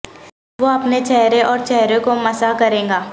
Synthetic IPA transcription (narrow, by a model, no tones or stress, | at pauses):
ʋoɐpnet͡ʃɛɦɾeʔɔːɾt͡ʃɛɦɾẽkomɐsakɐɾẽːŋɡaː